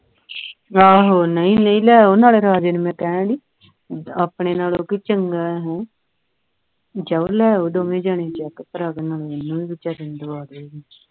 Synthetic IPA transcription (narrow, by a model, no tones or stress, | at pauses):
aːɦoːnəĩːnəĩːlɛːoːnaːleːɾaːd͡ʒeːnuːmɛ̃ːkɛːnãːɽiː | aːpɳeːnaːloːkiːt͡ʃəŋɡaːɛːɦõː | d͡ʒəolɛːoːd̪oːmẽːd͡ʒaːɳeːt͡ʃɛːkəp̪əɾaɡnaːlːɪnːũːĩːbɪt͡ʃaːɾɪnd̪oʋaːd̪eeːɡiː